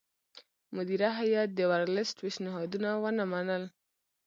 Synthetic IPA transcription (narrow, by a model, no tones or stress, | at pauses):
mʊd̪iɾaɦajɑt̪̚d̪əwaɾlɪsʈpeʃnɪɦɑd̪unawənamanəl